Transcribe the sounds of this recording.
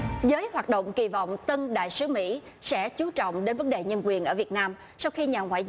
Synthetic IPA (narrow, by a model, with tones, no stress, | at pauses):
zəː˨˦jhwaː˨˩t̚ɗo̰˧˨wŋ͡mki˨˩vɔ̰˧˨wŋ͡mt̪ə˧ŋɗa̰ː˧˨jsɨ˨˦mḭ˧˥ | sɛ̰˧˥t͡ɕu˨˦t͡ɕɔ̰˧˨wŋ͡mɗe˨˦nvə˨˦nɗe˨˩ɲə˧nkwi˨˩ənʔəː˧˩vi˨˩ət̚naː˧m | sa˧wxi˧ɲaː˨˩ŋwa̰ː˧˨j